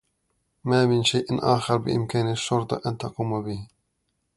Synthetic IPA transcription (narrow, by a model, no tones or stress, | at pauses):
maːmɪnʃajʔnʔaːxɑɾˤbɪ̰ʔɪ̰mkaːnʃːʊɾt̪ˤʔant̪ɑquːmbɪh